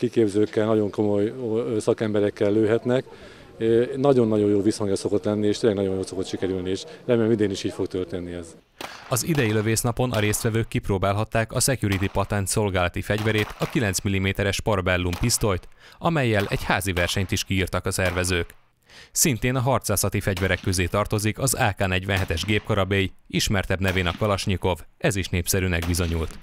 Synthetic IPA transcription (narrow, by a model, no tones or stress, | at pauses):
kikeːbzøːkːɛlnɒɟo̞ŋko̞mo̞jsɒkɛmbɛɾɛkːɛlːøːɦɛt̪nɛk | nɒɟo̞nːɒɟo̞joːvishɒŋɡɛso̞ko̞t̪lɛnːieːʃt̪eːlɛɡnɒɟo̞jjoːso̞kot̪ʃikɛɾylnieʃrɛmeːlɛmid̪eːniʃiːcfo̞ɡt̪ørt̪enːiɛz | ɒzid̪ɛjilø̞veːsnɒpo̞nʔɒɾeːst̪ʋɛvøːkːiproːbaːlɦɒt̪ːaːkɒsɛkjuɾit̪ipɒt̪ɛnt̪so̞lɡaːlɒt̪ifɛɟvɛɾeːt̪ɒkilɛnsmilːimeːt̪ɛɾɛʃpɒrbɛlːumpist̪o̞jt̪ɒmɛjːɛlʔɛ̰ɟhaːzivɛrʃɛɲt̪iʃkiːrt̪ɒkɒsɛrvɛzøːk | sint̪eːnɒɦɒrt̪saːsɒt̪ifɛɟvɛɾɛkːøzeːt̪ɒrt̪o̞zikɒzaːkaːnɛɟvɛnɦɛt̪ɛʒɡeːpkɒɾɒbeːjiiʃmɛrt̪ɛbnɛveːnɒkɒlɒʃɲiko̞v | ɛziʃneːpsɛɾyːnɛɡ̚bizo̞ɲult̪